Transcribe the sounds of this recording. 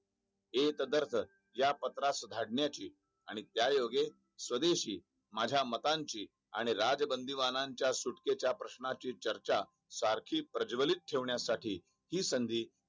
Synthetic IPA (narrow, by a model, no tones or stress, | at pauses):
et̪əd̪əɾt̪ʰə | japət̪ɾasd̪ʱaɽɳjat͡ɕiː | aɽ̃it̪jajoɡe | sʋəd̪eɕiː | mad͡ʑʱjamət̪aɲt͡ɕiː | a̰ɽ̃iɾad͡zəbənd̪ʱiʋanãɲt͡ɕjasuʈket͡ɕjapɾəɕnat͡ɕiːt͡ɕəɾt͡ɕa | saɾkʰiːpɾəd͡ʑʋəlit̪̚ʈʰeʋɳjasaʈʰiː | hiːsənd̪ʱiː